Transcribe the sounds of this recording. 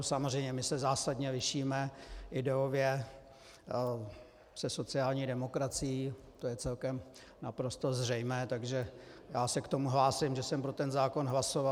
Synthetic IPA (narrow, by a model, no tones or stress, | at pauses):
samor̝ɛjmɲɛmɪsɛzaːsadɲɛlɪʃiːmɛʔɪdɛovjɛ | sɛso̞t͡sɪaːlɲiːdɛmo̞kɾat͡sɪjiː | t̪ojɛt͡sɛlkɛm | napɾo̞st̪o̞zr̝ɛjmɛːt̪aɡʒɛjaːsɛkt̪o̞muɦlaːsɪmʒɛsɛmpɾo̞t̪ɛnzaːko̞nɦlaso̞va